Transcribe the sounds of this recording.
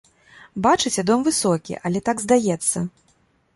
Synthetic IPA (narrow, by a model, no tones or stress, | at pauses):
bat͡ʂɨt͡sʲɛd̪ɔmvɨsɔkʲḭʔalʲɛt̪aɡzd̪ajɛt̪sːɐ